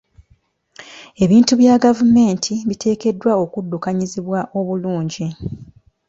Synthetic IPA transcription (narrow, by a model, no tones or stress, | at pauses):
e̞βiːntuβjaːɡavume̞ːntʰiβitʰe̞ːke̞dːwao̞kudːukaɲiziβwaʔo̞βuluːɲɟi